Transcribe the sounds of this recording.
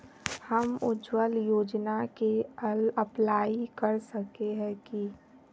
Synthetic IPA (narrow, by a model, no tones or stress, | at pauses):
hɐmʊ̰d͡ʒwəljoːd͡ʒnakeəlɐplaːikɐɾsɐkeɦɛ̃ki